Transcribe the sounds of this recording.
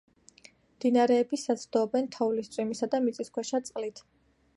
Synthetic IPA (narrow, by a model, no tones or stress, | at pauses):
md̪̥inaɾɛːbisat̪sʰd̪̥ɔbɛnt̪ʰɔvlist̪sʼwimisad̪amit̪sʼiskʰwɛʃat̪sʼqʼlit̪ʰ